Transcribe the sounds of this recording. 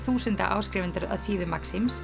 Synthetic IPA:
θuːsɪnt̪a̰ʔa̰ːwskɾɪːvɪnt̪ʏɾa̰ðsiːðʏmaksims

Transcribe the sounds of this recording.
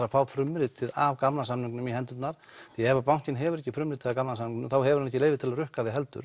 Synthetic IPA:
ɾafaːwfɾʏmɾɪt̪ʰɪðavkamnasamniŋknʏmiɦɛnt̪ʏt̪naɾ̥θiɛɛvapawn̥cɪnɦɛvʏɾɛhcːɪfɾʏmɾɪt̪ɪðavkamnasamniŋknʏmθawhɛvʏɾhanɛcːɪleːjvɪt̪ʰɪlarʏhkaðɪɦɛlt̪ʏ̰ɾ̥

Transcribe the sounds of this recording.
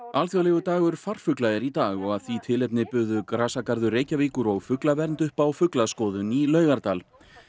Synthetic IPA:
alθjɔwlɛɣʏt̪aːɣʏɾ̥far̥fʏklaɛɾit̪aːɣɔɣaðθvit̪ʰɪlɛp̚nɪpʏðʏkɾaːsakaɾðʏreːjcaviːkʏɾɔɣfʏklavɛɾnt̪ʏhpawfʏklaskɔːðʏnilœːɥɣaɾt̪aːl

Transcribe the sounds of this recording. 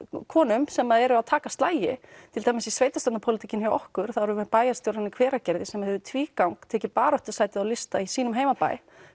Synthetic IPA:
kʰɔːnʏmsɛmaðɛɾʏaðt̪ʰaːkast̪laːjɪt̪ʰɪlt̪θajmasisveːjt̪ast̪at̪napʰowlɪt̪ʰicɪnhjawɔ̰hkʏɾ̥θaðɾvʏmɛpaːjḁst̪jowɾanːɪkʰv̥ɛːɾacɛɾðɪsɛmahɛvʏt̪ʰviːkawŋkt̪ʰɛːcɪpaːɾœht̪ʏ̥ɾ̥saːjt̪ɪðawlɪst̪aisiːnʏmɦeːjmapa̰ːj

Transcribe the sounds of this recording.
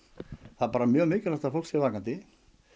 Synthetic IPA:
θapaːɾamjœːɣmʏːcʏɾaft̪afol̥ksɛvaːkant̪ɪ

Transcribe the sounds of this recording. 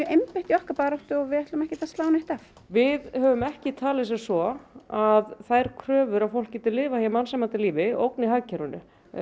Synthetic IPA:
ejmpɪht̪jɔhkapaːɾaht̪ʏɔɣvɪðɛht̪lʏmɛhcɪt̪ast̪aːwnejht̪af | vɪðhœːvʏmɛhcɪt̪ʰaːlɪsɛ̥sɔaðθajɾ̥kʰɾœːvʏɾavfowl̥cːɪt̪ɪlɪːvahjamansɛmːat̪ʰɪlːiːvɪo̰wkniɦaɥcʰɛɾʏnʏ̰

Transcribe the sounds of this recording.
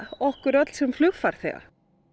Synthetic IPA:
ɔhkʏɾœt̪l̥sɛmflʏɣfaɾ̥θɛ̰ɣa̰

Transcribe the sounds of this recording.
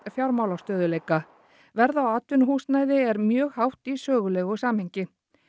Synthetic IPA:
fjawɾmaːwlawst̪œːðʏleːjka | vɛɾðawaːt̪ʏnɦuːsnaːjðɪɛɾmjœːɣhawht̪isœːɣʏlɛɣʏsaːmhejɲcɪ

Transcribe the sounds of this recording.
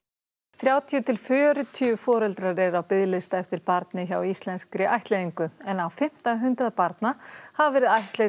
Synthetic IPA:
θɾjaːwt̪ʰjʏt̪ʰɪlfʏɾʏt̪ʰyʏfɔːɾɛlt̪ɾaɾɛɾawpɪðlɪst̪aɛft̪ɪɾpaɾt̪nɪçawist̪lɛnskɾɪʔajht̪lejðiŋkʏɛnawfɪm̥t̪aɦʏnt̪ɾaðpaɾt̪nahavɛɾɪðajht̪le

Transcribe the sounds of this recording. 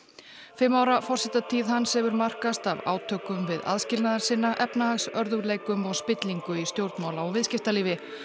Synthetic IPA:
fɪmːaːwɾafɔrsɛht̪at̪ʰiːðɦansɛvʏɾmar̥kast̪ava̰ːwt̪ʰœːkʏmvɪða̰ðscɪlnaðaɾsɪnːaʔɛpnahaxsœɾðʏɣɾlejkʏmɔɣspɪt̪liŋkʏist̪jowɾt̪maːwlaɔvɪðscɪft̪aliːvɪ

